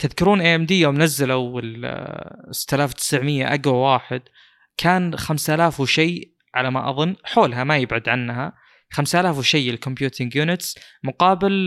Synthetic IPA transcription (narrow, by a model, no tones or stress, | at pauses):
t̪ɪðkʊɾuːnʔeːʔɛmd̪iːjːawmnazːalaɪl | sɪ̥t̪ːalaːft̪ːɪ̥sʕmɪjːa̰ʔaɡwawaːħɪd̪ | kʰaːnxamsalaːfwʃej | ʕalama̰ʔɑ̰ðˤʊnːħoːlɦamajɪbʕad̪ʕanːɦa | xamsʔalaːfwʃajːɪlkʊmpjuːt̪ʰɪŋɡjuːnɪt̪smʊqɑːbɪl